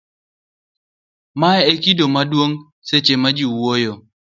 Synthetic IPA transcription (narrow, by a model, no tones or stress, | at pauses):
maɛekidomadwoŋ | set͡ʃemad͡ʒiwojo